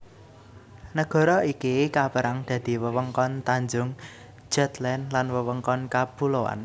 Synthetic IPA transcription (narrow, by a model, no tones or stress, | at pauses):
nəɡ̥ɔ̤ɾɔikikapəɾaŋd̪̥ä̤d̪̥i̤wəwəŋkɔnt̪aɲd͡ʒʊŋ | d͡ʒ̥ɛt̪lɛnlanwəwəŋkɔnkab̥uloa̰n